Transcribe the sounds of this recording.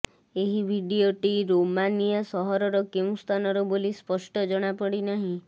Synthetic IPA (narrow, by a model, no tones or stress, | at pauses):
eɦibʱiɖioʈiɾomanijasɔɦɔɾɔɾɔkew̃st̪ʰanɔɾɔbolispɔsʈɔd͡ʒɔɽ̃apɔɽinaɦĩ